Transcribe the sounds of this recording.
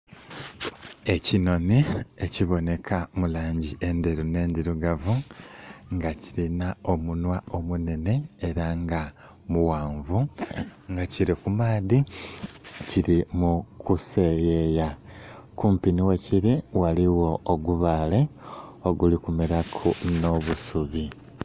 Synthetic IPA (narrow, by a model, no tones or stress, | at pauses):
e̞cino̞nieciβo̞ne̞kʰamulaːɲɟiʔe̞nd̪eɾune̞ːndiɾuɡavu | ŋɡaciɾinao̞munwao̞mune̞ne̞ːɾaŋɡa | muwaːɱvuŋɡaciɾikumaːði | ciɾimukuse̞jejakuːmpiniweciɾiwaliwo̞ːɡuβaːle̞oɡulikumiɾakʰuno̞βusuβi